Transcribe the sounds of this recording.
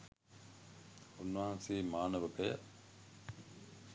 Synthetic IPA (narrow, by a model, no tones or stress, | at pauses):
unːʋɐɦɐnsiːmaːnɐʋɐpejɐ